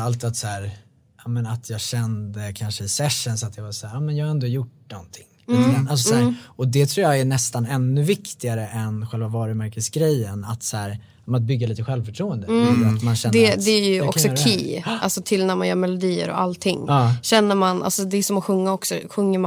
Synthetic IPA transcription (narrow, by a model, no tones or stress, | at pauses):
alt̪ːat̪sæːɾ | ʔɑːmɛnat̪ʰjɑːɡɕɛnd̪əkʰanʂəɪsɛʂːənsɔat̪jɑvasæːɾɑːmɛnjɑːɡhaɾɛnd̪oːjʊʈ̚nɔnt̪ʰɪŋːliːt̪ɡɾanals̬ɔsæːɾɔd̪ɛt̪ʰɾuːjɑɡæɳɛst̪anɛnːɵvɪkt̪ɪɡaɾəʔɛnɧɛlvavɑːɾəmæɾkəsɡɾɛjːənat̪sæːɾ | mnat̪̚bʏɡːaliːt̪əɧɛlvfœʈʰɾuːənd̪əat̪manɕɛnd̪ɛd̪ɛæɾjɵɔ̰kksɔkiːʔa̰lsɔt̪ʰɪlnæɾmanjœːɾmɛlʊd̪iːə̰ɾɔ̰ʔa̰lt̪ʰːɪŋːɑːɕɛnːəɾmanʔa̰lsɔd̪ɛsɔmɔɧɵŋːaɔksɔ̰ɧɵŋːəɾma